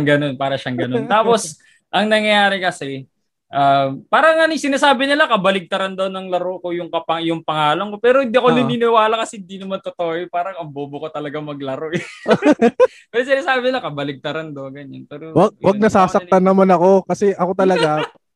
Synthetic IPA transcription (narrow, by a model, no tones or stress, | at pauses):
ŋɡɐno̞npaːɾɐʃɐŋɡɐno̞nt̪aːpo̞s | ʔɐŋnɐŋjɐjaːɾɪkɐsɛ | ʔampaːɾɐŋɐnɪŋsɪnaːsaːbɪnɪlakɐbɐlɪɡ̚t̪ɐɾɐnd̪onɐŋlɐɾokojʊŋkɐpɐjʊŋpɐŋaːlɐŋko̞pɛːɾohɪnd̪iʔɐkonɪɪnɪwaːlɐkɐsɛhɪnd̪inɐmant̪ot̪oːjopaːɾɐŋɐmboːbʊkot̪ɐlɐɡamɐɡ̚lɐɾo | pɛɾos̬ɪnaːsaːbɪnɪlakɐbɐlɪɡ̚t̪ɐɾand̪oɡɐɲanpɛɾowɐɡ̚wɐɡ̚nɐsaːsɐt̪anːɐmanɐko̞kɐsɛʔɐko̞t̪ɐlɐɡa